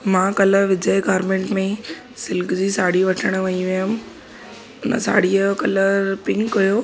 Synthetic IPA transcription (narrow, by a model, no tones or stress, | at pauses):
mãːkɐləɾʋɪd͡ʑəjɡaːɾmẽːɳʈmẽ | sɪlkd͡ʑiːsaːɽ̤iʋɐʈʰəɽ̃̆ʋɐiʋijm̆ | ʊnə̰sa̰ːɽijəkɐləɾɾpɪ̃ŋkːɐjoː